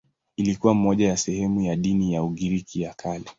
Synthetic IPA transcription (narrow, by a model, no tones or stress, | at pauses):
ilikuwam̩mɔʄajasɛhɛmujaɗinijauɠiɾikijakʰalɛ